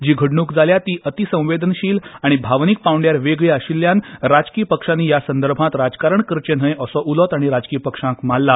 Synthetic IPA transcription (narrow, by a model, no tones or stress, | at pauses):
d͡ʑiːɡʱəɽɳuːkd͡zaljat̪iːʔət̪isə̃w̃ʋed̪ənɕiːlaɽ̃ibʱaʋnik̚pawɳɖjaɾʋeɡɭiaɕilːjãnɾad͡zkiːpəkʂãnːiːjasə̃nd̪əɾbʱãt̪ɾad͡zkaɾəɳkəɾt͡ɕenɦə̃jəsɔʔulɔt̪aɽ̃iɾad͡zkiːpəkʂãkmalːa